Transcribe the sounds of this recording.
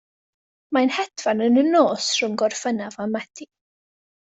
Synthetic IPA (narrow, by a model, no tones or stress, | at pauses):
majnhɛdvanənənoːsr̥ʊmɡɔrfənavamɛtʰi